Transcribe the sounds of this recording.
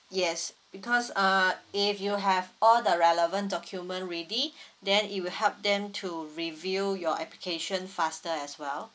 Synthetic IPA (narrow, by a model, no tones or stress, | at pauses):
jɛs | b̥ikʰɔsaifjuɦɛvɔldəɹɛləvə̃ndɔkʰjumə̃ntɹedidɛ̃nit̚wilhɛlp̚dɛ̃mtʰuɹivijɔɛplikʰeʃə̃nfastəɛswɛl